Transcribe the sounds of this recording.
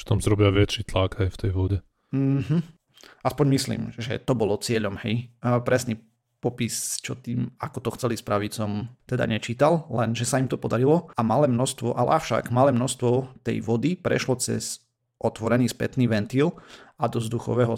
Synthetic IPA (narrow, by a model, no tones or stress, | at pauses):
ft̪ɔmsɾɔbɪaʋɪɛt͡ʃit̪laɡajft̪ɛjʋɔɟɛ | m̩ɦ̩ | aspɔɲmislḭːmʒɛ̰t̪ɔbɔlɔt͡sɪɛʎɔmhɛjpɾɛsni | pɔpist͡ʃɔt̪iːmakɔt̪ɔxt͡sɛlispɾaʋit͡sɔmt̪ɛd̪a̰ɲɛt͡ʃiːt̪allɛnʒɛsaimt̪ɔpɔd̪aɾilɔamalɛːmnɔst̪ʋɔʔalɛ̰aʊʃa̰ɡmalɛːmnɔst̪ʋɔt̪ɛ̰jʋɔd̪ipɾɛ̰ʃlɔt͡sɛ̰z | ʔɔt̪ʋɔɾɛniːspɛ̰t̪niːʋɛnt̪iːlad̪ɔzd̪uxɔ̰ʋɛɦɔ